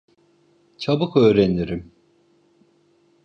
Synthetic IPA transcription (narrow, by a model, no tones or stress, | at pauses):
t͡ʃʰabɯkøːɾeniɾim